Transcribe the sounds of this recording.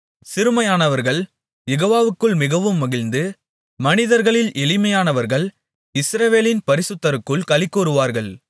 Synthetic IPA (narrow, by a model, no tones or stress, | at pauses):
sɪɾɯmɐjaːnɐʋɐɾɣɐɭ | jɛɣoːʋaːʋɯkːɯɭmɪɣɐʋɯmːɐɣɪlnd̪ɯ | mɐnɪðɐɾɣɐɭɪlʔɛlɪmɐjaːnɐʋɐɾɣɐɭ | ɪsɾɐʋeːlɪnpɐɾɪsɯt̪ːɐɾɯkːɯɭkɐlɪkːuːɾɯʋaːɾɣɐɭ